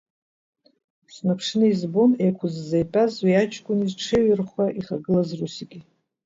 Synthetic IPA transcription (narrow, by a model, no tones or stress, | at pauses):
snapʰʂnɨizbo̞nejkʷʰʊzːejpʼazwiat͡ʃʰʼkʷʼʊnizʈ͡ʂʰeɥɪrχʷaʔiχaɡɨlazrusiɡʲi